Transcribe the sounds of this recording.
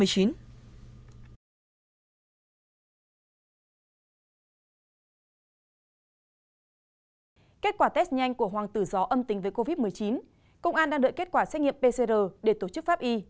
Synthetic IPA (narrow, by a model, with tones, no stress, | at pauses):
əjt͡ɕi˨˦n | ke˦˥t̚kwaː˧˩t̪ɛ˦˥s̚ɲa˧jŋ̟ku˧˩əɦwaː˨˩ŋt̪ɨ˧˩zɔ˨˦ʔə˧mt̪ï˨˦ŋ̟vəː˨˦jko˧vi˦˥t̚mɨ˨˩əjt͡ɕi˨˦n | kə̰˧wŋ͡mʔaː˧nɗaː˧ŋɗɨ̰˧˨ke˦˥t̚kwaː˧˩sɛ˦˥t̚ŋḭ˧˨əmpe˧se˧zəː˨˩ɗe˧˩t̪o˧˩t͡ɕɨ˦˥k̚faː˦˥p̚ʔi˧